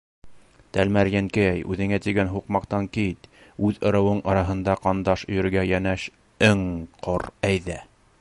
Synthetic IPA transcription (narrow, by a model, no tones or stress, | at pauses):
t̪ælmæɾjæŋkɘæjʔʉ̰ðɘ̆ŋæt̪iɡænɦuqmɑqt̪ɑŋkit̪ | ʉðɤ̆ɾɤ̆wɤɴɑɾɑɦɤ̆nd̪ɑqɑnd̪ɑʃɵ̆jɵ̆ɾɡæjænæʃ | ɘŋqʰoɾæjðæ